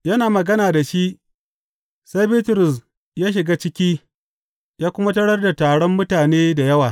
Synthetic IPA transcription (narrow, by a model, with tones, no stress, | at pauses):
jɐ˦naː˨mɐ˨ɡɐ˦naː˨da˨ʃi˦ʔ | sa˦jbiː˦tʊ˨ɾʊ˨s | jaː˦ʃ̬ɪ˨ɡaː˦t͡ʃɪ˦kʲiː˦ | jaː˦kʷʊ˦ma˦tɐ˦ɽɐ˦rda˨taː˨ɽɔ˦mːʊ˦taː˨neː˦da˨jɐ˦waː˨